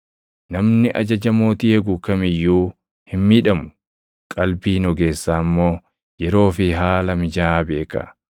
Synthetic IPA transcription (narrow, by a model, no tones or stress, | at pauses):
nɐmnɪʔɐ̰d͡ʒɐd͡ʒɐmo̞ːt̪iːɛɡukɐmɪjːuː | hɪmmiːᶑɐmʊ̥ | kʼɐlbiːnɔɡe̞ːsːaːmːo̞ː | jɛɾo̞ːfɪɦaːlɐmɪd͡ʒaːbe̞ːkɐ̰